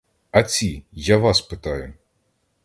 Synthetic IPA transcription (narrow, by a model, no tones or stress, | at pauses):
ɐt͡sʲijaʋɑspɪt̪ɑjʊ